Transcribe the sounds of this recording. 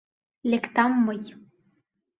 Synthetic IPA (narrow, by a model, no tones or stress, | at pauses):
lʲekt̪amːɤj